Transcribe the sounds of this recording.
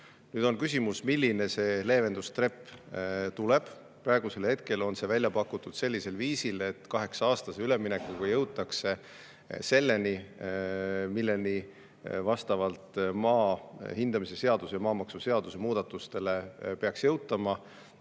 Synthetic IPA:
nyːd̪̥o̞nkysʲimusmilʲːine̞se̞ːle̞ːve̞nd̪̥ust̪re̞pːt̪ule̞b̥ | prɑeɡ̥use̞lhe̞t̪̚ke̞lo̞nse̞vælʲjɑpɑkːˑut̪ːˑud̪̥se̞lːise̞lviːsile̞t̪ːkɑɦe̞ksɑɑːst̪ɑseyle̞mːinekːˑukɑjɤwt̪ːˑɑkse̞ | se̞lːe̞ni | milːe̞ni | vɑst̪ɑvɑlt̪ˑmɑːhind̪̥ɑmise̞se̞ɑd̪usjɑmɑːmɑksuse̞ɑd̪̥usemuːd̪̥ɑt̪ːˑust̪e̞le̞pe̞ɑksjɤwt̪ːˑɑmɑ

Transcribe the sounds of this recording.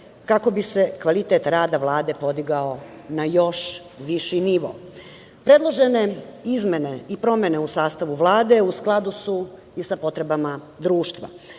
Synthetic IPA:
kako̞bise̞kʋalit̪et̪ɾaːd̪aʋlˠaːd̪e̞po̞d̪iɡaonajo̞ʃ | ʋiʃiniʋo̰ | pɾed̪lˠo̞ʒene̞izme̞ne̞ipɾo̞me̞ne̞usaːst̪aʋuʋlˠaːd̪e̞usklˠad̪usu | isapo̞t̪ɾe̞bama | d̪ɾuːʃt̪ʋa̰

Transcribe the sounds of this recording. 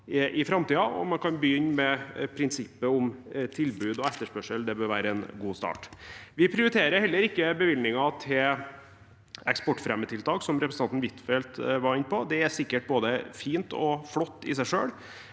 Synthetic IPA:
ʔɪfɾɑmt̪iːɑɔ̰mɑnkʰɑnbəjʏnːmɛpʰɾɪnsɪpːəʊmt̪ʰɪlbʉːd̪ɔɛt̪ːəʂpœʂəld̪ɛbøːɾʋæːɾəɛnɡuːst̪ɑ̰ːʈʋɪpʰɾɪʊɾɪt̪ʰeːɾəɾhɛlːəɾɪkːəbəʋɪlnɪŋɑt̪ʰɪl | ɛkspɔʈːfɾɛmːət̪ʰɪlt̪ʰɑːksɔmɾɛpɾəsəɑnt̪n̩ʋɪt̪fɛlt̪ʋɑɾɪnːpʰɔd̪ɛæɾsɪkːəʈ̚boːd̪əfiːnt̪ɔflɔt̪ːɪ̰sæɪʂøːɽ

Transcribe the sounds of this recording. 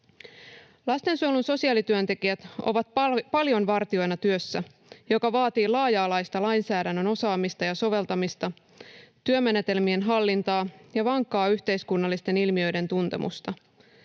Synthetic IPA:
lɑst̪e̞nsuolunso̞siɑːlit̪yønt̪e̞kiæt̪o̞̰ʋɑt̪̚pɑljo̞nʋɑrt̪io̞jnɑt̪yøsːæ | jo̞kɑʋɑːt̪iːlɑːjɑːlɑjst̪ɑlɑjnsæːɾænːøno̞sɑːmist̪ɑjɑso̞ʋe̞lt̪ɑmist̪ɑ | t̪yø̞me̞ne̞t̪e̞lmie̞nɦɑlːint̪ɑːjɑʋɑŋkːɑːyçt̪e̞jskunːɑlːist̪e̞nilmiø̞jde̞nt̪unt̪e̞̰mʔṵst̪ɑ

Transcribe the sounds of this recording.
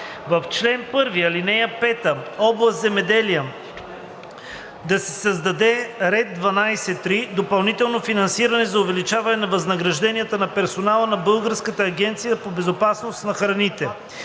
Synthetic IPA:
vɐft͡ʃlɛnpɤɾviɐlinɛjəpɛt̪əɔblˠɐst̪zɛmɛd̪ɛlijə | d̪ɐsɛ̥sɐzd̪ɐd̪ɛɾɛd̪̚d̪vɐnajsɛt̪ːɾid̪opɐlˠnit̪ɛlˠnofinɐnsiɾɐnɛzɐʊvɛlit͡ʃavɐnɛnɐvɐznɐɡɾɐʒd̪ɛniət̪ənɐpɛɾsonalˠənɐbɤlˠɡəɾskət̪əːɡ̟ɛnt̪sijəpobɛzopasnost̪nɐxɾɐnit̪ɛ

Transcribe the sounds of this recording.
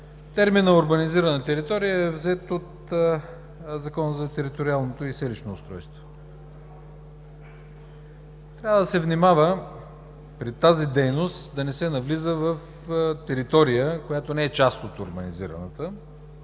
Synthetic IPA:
t̪ɛɾminːɐʊɾbɐniziɾənət̪ɛɾit̪ɔɾijəɛvzɛt̪ot̪ | zɐkɔnəzɐt̪ɛɾit̪oɾialˠnot̪oisɛliʃnoːst̪ɾɔjst̪vo̥ | t̪ɾʲavəd̪ɐsɛvnimavə | pɾit̪ːazid̪ɛjnost̪d̪ɐnɛsɛnɐvlizəvəf | t̪ɛɾit̪ɔɾijəkojat̪onɛɛt͡ʃast̪ot̪oɾbɐnizḭɾə̰nət̪ə

